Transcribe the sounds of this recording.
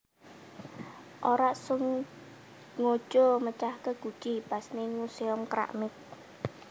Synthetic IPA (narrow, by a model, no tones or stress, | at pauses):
ʔoɾaʔsʊŋ | ŋo̥ʒ̥ɔmət͡ʃahkəɡ̥ṳ̥t͡ʃipasnɪŋuseɔmkɾa̰ʔmɪk̚